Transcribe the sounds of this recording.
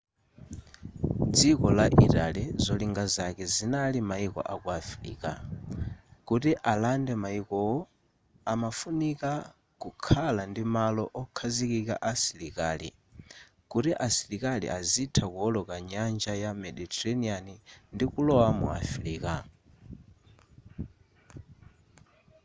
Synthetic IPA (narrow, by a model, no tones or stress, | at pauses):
d͡zikɔlaʔiɾalɛzɔliŋɡazakɛzinalimaikɔ̰ʔakuaflḭːka | kutiʔalandɛmaikɔwɔ | amafunika | kukʰalandimalɔʔɔkʰazikika̰ʔasilikaːlḭ | kutiʔasilikalḭʔazitʰakuɔlɔkaɲand͡ʒajamɛɗitɛɾɛnianindikulɔwamṵa̰fɾiːka